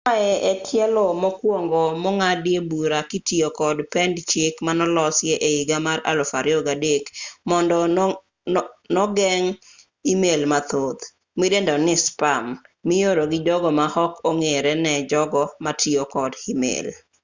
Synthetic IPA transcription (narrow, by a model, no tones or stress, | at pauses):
aɛʔɛkʰɪɛlɔmɔkwoŋɡɔmɔŋadjebuɾakitiokɔdpɛndt͡ʃekmanɔlɔsjeʔeiɡamaɾa̰lɔfaɾjɔɡadekmɔndɔ | nɔɡɛŋ | imelmat̪ot̪ | midendanɪspamːɪjoɾoɡɪd͡ʒɔɡɔmahɔkoŋeɾɛnɛd͡ʒɔɡɔmatʰiokɔdimḛl